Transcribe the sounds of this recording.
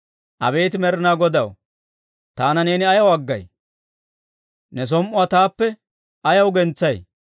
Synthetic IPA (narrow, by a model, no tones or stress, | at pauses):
ʔɐ̰be̞ːt̪ɪmɛɾɪnaːɡɔd̪ɐw | t̪aːnɐne̞ːnɪɐjɐwɐɡːɐ̰j | nɛs̬ɔmʔʊaːt̪aːpːɛ | ɐjɐwɡɛnt͡sːɐj